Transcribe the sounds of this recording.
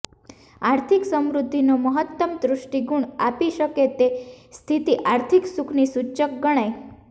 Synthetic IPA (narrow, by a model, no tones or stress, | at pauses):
aɾt̪ʰiksəmɾud̪ʱːinoməɦət̪ːəmd̪ɾʊʃʈiɡuɳapiʃəket̪est̪ʰit̪iʔaɾt̪ʰiksukʰnisut͡ʃək̚ɡəɽ̃aj